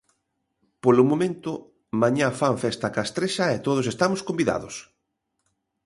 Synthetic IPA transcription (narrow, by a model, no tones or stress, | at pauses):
polʊmõmẽnt̪ʊ | maɲafaɱfɛst̪akaest̪ɾeʃɐɛt̪oð̞oʊs̬est̪amoskombiða̰ðo̰s